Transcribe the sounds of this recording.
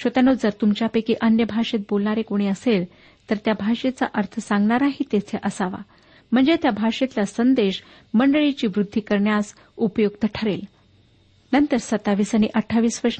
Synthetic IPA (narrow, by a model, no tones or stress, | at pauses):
ɕət̪janod͡zəɾt̪umt͡ɕjapekiʔənjəbʱaʂet̪̚bolɳaɾekoɽ̃iəsel | t̪əɾt̪jabʱaʂet͡sa̰ʔəɾt̪ʰəsãŋɡɳaɾaɦiːt̪et͡sʰeʔəsaʋa̰ | m̤əɳd͡zet̪jabʱaʂet̪lasənd̪eɕ | məɳɖəɭit͡ɕiːʋɾud̪ʱːiːkəɾɳjas | upjoɡ̚t̪əʈʰəɾel | nənt̪əɾsət̪aʋisəñḭʔəʈʰːaʋiːsʋəɾʂ